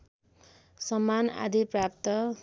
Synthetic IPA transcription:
sʌmːana̰d̪iprapt̪ʌ

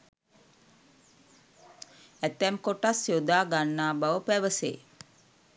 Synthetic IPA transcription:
æt̪ɛmkoʈasjod̪aːɡanːaːbaʋəpæʋəsḛː

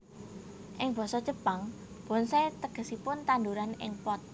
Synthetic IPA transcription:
ʔɪŋb̥ɔ̤sɔd̥ʒ̥ə̤paŋ | b̥ɔ̤nsaet̪əɡ̥ə̤sipʊnt̪and̪uɾanɪ̰ŋpɔt̪̚

